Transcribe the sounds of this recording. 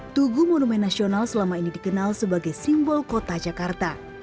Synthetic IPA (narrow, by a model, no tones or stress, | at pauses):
t̪uɡumonumɛnːasionalsəlamainidikənalsəbaɡajsimbɔlkot̪ad͡ʒakart̪a